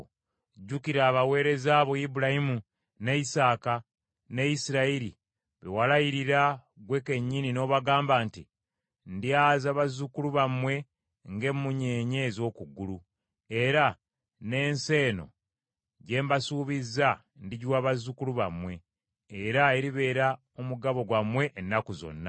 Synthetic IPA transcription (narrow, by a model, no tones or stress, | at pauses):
ɟukiɾaːβawe̞ːɾe̞zaːβo̞ibuɾahimu | nejisaːka | ne̞jisiɾaiɾḭ | βewalajiɾiɾa | ɡwe̞ke̞ɲːinino̞ːβaɡaːmbaːnti | ndiazaβazukuluβamwe̞ | ŋɡe̞mːuɲe̞ːɲeːzo̞ːkuɡulu | e̞ɾa | ne̞ːnse̞ːno̞̰ | ɟe̞ːmbasuːβiza | ndiɟuwaβazukuluβa̰mwe̞ː | ɾaeɾiβe̞ːɾa | omuɡaβo̞ɡwamwe̞ʔːnːakuzo̰nːa̰